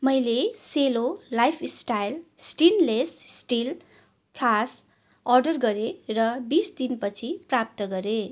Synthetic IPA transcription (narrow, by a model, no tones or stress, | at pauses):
mʌjleselolajpʰisʈajlsʈinlessʈil | pʰlas | ʌrɖʌrɡʌɾerʌbisd̪inpʌt͡sʰiprap̚t̪ʌɡʌɾe